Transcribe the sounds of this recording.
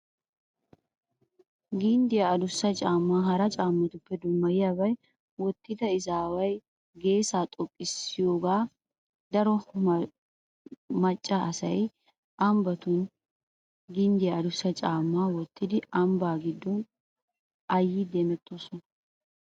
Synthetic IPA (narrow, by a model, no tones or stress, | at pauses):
ɡɪnd̪ɪjɐːd̪ʊsːɐt͡ʃʼaːmːaːɦɐɾɐt͡ʃʼaːmːɐt̪ʊpːɛd̪ʊmːɐjɪjabɐj | wɔt̪ːɪd̪ɐɪzaːwɐj | ɡe̞ːsaːt̪ʼɔkʼːɪsːɪjoːɡaː | d̪ɐɾɔ | mɐt͡ʃʼːɐʔɐsɐj | ʔɐmbɐt̪ʊn | ɡɪnd̪ɪjɐɐd̪ʊsːɐt͡ʃʼaːmːaːwɔt̪ːɪd̪ɪʔɐmbaːɡɪd̪ːɔn | ɐjːɪd̪eːmɛt̪ːosɔnɐ